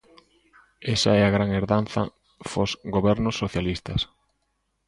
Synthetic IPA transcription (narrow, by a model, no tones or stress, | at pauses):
ɛsɐɛaɣɾaŋeɾðan̟θɐ̰ | fosɡoβɛɾnʊsːoθjalist̪ɐs